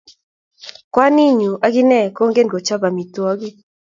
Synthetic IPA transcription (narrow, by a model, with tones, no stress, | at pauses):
kwa˦ni˦ɲu˨ʔa˦ɡi˦nɛ˦˨ko˦ŋɡe˦nɡo˨t͡ʃa˦ba˨mi˨twɔ˦ɡi˦